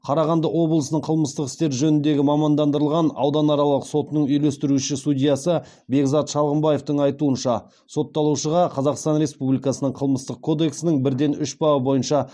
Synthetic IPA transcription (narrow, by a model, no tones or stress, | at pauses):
qʰɑɾɑʁɑnd̪əwo̞blˠəsənəɴqʰəlˠməst̪əqɪ̥st̪e̞ɾʒɵnɪnd̪e̞ɡʲɪmɑmɑnd̪ɑnd̪əɾəlˠʁɑnɑ̰wd̪ɑnɑɾɑlˠəqso̞t̪ənəɴʏjlest̪ɪɾuʃɪsud̪ʲijɑsə | be̞ɡzɑt̪ʃɑlˠʁəmbɑje̞ft̪əɴɑjt̪uənʃɑ | so̞t̪ːɑlˠuʃəʁɑqʰɑzɑqst̪ɑnɾe̞spublʲijkɑsənəɴqʰəlˠməst̪əq̚kʰo̞d̪e̞ksɪnɪŋbɪɾd̪e̞nʏʃbɑwəbo̞jənʃɑ